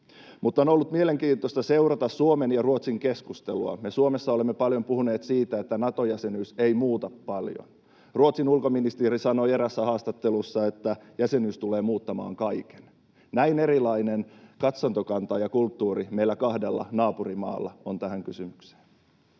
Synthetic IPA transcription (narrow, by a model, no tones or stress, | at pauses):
mut̪ːono̞lːut̪mieleŋkiːt̪ːˑost̪ɑse̞urɑt̪ɑssuomenjɑruot̪siŋke̞skust̪eluɑ̰mesuome̞sːɑolemːepɑljo̞mpuhune̞ːt̪siːt̪æet̪ːænɑt̪o̞jæse̞nysejmuːt̪ɑpːɑljo̰n | ruot̪sinulkominist̪iːɾisɑno̞eɾæsːæhɑːst̪ɑt̪ːe̞lusːɑe̞t̪ːæjæse̞nyːst̪ule̞ːmuːt̪ːɑmɑ̰ːŋkɑjke̥n | næine̞ɾilɑinenkɑt̪sɑnt̪okɑnt̪ɑjɑkult̪ːuːrimeilːækɑhdelːɑ̰nɑːpurimɑ̰ːlːɑ̰ont̪æhæŋkysymykse̥ːn